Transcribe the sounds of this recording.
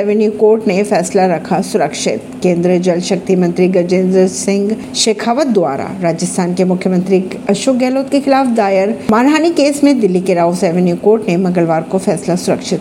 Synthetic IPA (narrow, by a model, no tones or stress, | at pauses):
ɛʋənjukoːɾʈnefɛːslaɾɐkʰasʊɾəkʃɪ̰t̪kẽːnd̪ɾiəd͡ʒɐlʃɐk̚t̪imɐ̃nt̪ɾiɡɐd͡ʒẽːnd̪əɾsɪ̃ŋɡ | ʃeːkʰaːʋət̪̚d̪ʊʋa̰ːɾa̰ɾaːd͡ʒəst̪ʰaːnkemʊkʰjəmə̃nt̪ɾi | ɐʃoːk̚ɡɛːloːt̪kexɪlaːfd̪aːjəɾmaːnɦaːnikeːsmẽd̪ɪlːikeɾaːosɛːʋənjukoːɾʈnemɐ̃ŋɡəlʋaːɾkofɛːslasʊɾəkʃɪt̪